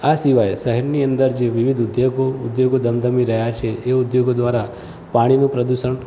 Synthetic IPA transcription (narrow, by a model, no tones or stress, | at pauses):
asiʋajʃəɦəɾniənd̪əɾd͡ʒeʋiʋid̪ʱʊd̪joɡoʊd̪joɡod̪əmd̪əmiɾəɦjat͡ʃʰeʔeud̪joɡod̪ʋaɾa | paɽ̃inũpɾəd̪uʃəɳ